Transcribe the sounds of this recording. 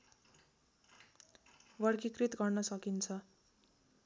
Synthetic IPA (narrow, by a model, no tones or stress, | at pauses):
wʌrkikrit̪ɡʌrnʌsʌkint͡sʰʌ